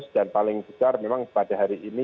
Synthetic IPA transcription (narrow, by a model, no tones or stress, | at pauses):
sd̥anpalɪŋbəsarmemaŋpad̥aɦaɾiʔːni